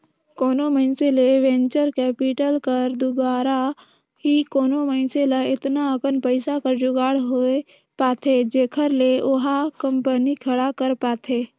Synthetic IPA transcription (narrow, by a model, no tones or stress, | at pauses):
koːnoməɪnseleʋẽːɲt͡ʃəɾkɛːpɪʈəlkəɾd̪ʊbaːɾa | ɦikoːnoməɪnseləɪt̪naəkənpəɪsakəɾd͡ʒʊɡaːɽɦoe | paːt̪ʰed͡ʒeːkʰəɾleʔʊɦakə̃mpənikʰəɽakəɾpaːt̪ʰeː